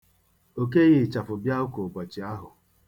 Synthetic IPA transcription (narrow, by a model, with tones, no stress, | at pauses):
o˨ke˦ɣɪ˦˨t͡ʃa˨fʊ˨bja˦ʊ˦ko˨k͡pʷɔ˨t͡ʃi˨a˦ɦʊ˨